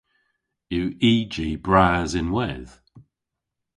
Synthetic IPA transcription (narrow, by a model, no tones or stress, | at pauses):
jəːʔiːd͡ʒiːbɹaːzɪ̃nwɛð̥